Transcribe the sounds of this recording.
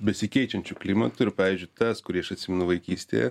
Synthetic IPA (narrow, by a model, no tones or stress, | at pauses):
bʲɛsʲɪkʲɛɪt͡ʃʲɛnʲt͡ʃʲuklʲimɐt̪ʊɪɾpɑːʋʲiːzʲd͡ʒʲʊɪɪt̪ɐskʊɾʲiːɪʃɐt̪ʲsʲɪmʲɛnʊʋɐɪkʲiːsʲt̪ʲḛjɛ̰